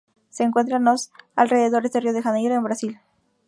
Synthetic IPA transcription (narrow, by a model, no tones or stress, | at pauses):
seːŋkwe̞nt̪̬ɾanosalre̞ðe̞ðo̞ɾe̞zðerioð̞exanejɾoembɾasil